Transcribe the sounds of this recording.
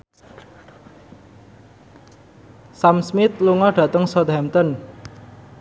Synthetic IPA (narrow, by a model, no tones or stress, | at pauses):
samsmɪt̪̚luŋɔɖ̥ä̤t̪əŋsɔt̪hɛmt̪ɔn